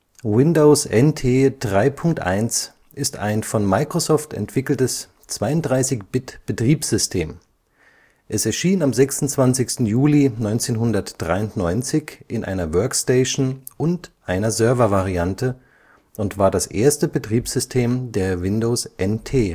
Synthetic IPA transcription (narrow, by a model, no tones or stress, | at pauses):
wɪndoʊsʔɛntʰeːd̥ʁaɪpʰʊŋk̚tʔa̰ɪns | ʔɪsta̰ɪnfɔnmaɪkʁ̥osɔːftɛ̰ntv̥ɪkl̩təs | t͡sv̥aɪʊntdʁaɪsɪçb̥ɪtb̥ətʁ̥iːpz̥z̥ʏstʰeːm | ʔɛsɛɐʃiːnamzɛksʊnt͡sv̥ant͡sɪçstn̩juːlinɔʏnt͡seːnɦʊndɐtd̥ʁaɪʊntnɔʏnt͡sɪçʔɪnʔa̰ɪnɐvœɐksteɪʃn̩ | ʊntʔaɪnɐzœɐvɐvaʁiantə | ʔʊntv̥aːɐdasʔḛːɐstəbətʁ̥iːpz̥ʏstʰeːmdeːɐvɪndoːsʔɛntʰeː